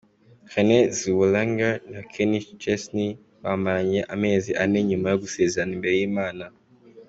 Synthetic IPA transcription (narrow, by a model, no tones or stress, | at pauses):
xeneziwulaŋɡanakʰenit͡ʃesni | βamaɲeʔameziʔaneɲimajoɡusezanimbejimaːna